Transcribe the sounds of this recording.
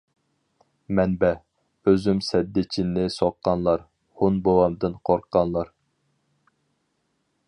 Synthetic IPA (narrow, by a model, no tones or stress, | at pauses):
mɛnbɛ | øzymsɛd̪ːɪt͡ʃʰinːɪsɑqːɑnlˠɑɾ | hunbowɑmd̪ɨnqʰoɾqʰːɑnlˠɑɾ